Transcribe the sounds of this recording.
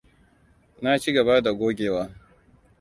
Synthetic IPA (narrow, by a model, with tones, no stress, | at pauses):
na˦t͡ʃi˦ɡɐ˨ba˦da˨ɡʷoː˦ɡʲeː˨waː˦